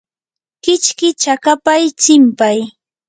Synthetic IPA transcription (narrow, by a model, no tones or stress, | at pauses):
kɪt͡ʃkɪt͡ʃakapajt͡sɪmpaj